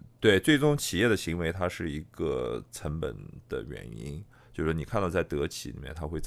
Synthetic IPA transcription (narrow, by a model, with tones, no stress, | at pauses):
t̪we˥˩ɪt͡swe˥˩ɪʈ͡ʂʊ˥˩ŋt͡ɕʰi˨˩jɛ˥˩d̪ə˩ɕi˧˥ŋwe˧˥ɪt̪ʰa˥ʂɻ̩˥˩i˧˥ɡə̰˧ʈ͡ʂʰə˧˥ŋpə̰˨˩nd̪̥ə̰˧ɥɛ̰˧˩nḭ˥n | t͡ɕjʊʂɻ̩˥˩ni˨˩kʰa˥˧nd̪ɑ˥˧t͡sa˥˩ɪt̪ɤ˧˥t͡ɕʰḭ˧˥li˨˩mjɛ̰˥˩nt̪ʰa˥xwe˥˧ɪt͡s